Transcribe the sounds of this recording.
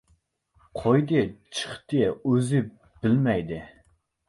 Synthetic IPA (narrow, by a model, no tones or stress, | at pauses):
qʰojd̪ɨt͡ʃʰɨ̥χt̪ɨøzɪ | b̥ɪlmɛjd̪ɪ